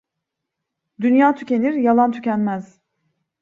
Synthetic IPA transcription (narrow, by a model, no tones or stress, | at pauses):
d̪ynjaːt̪ʰy̥ce̞niɾjalˠant̪ʰycʲænmæz̥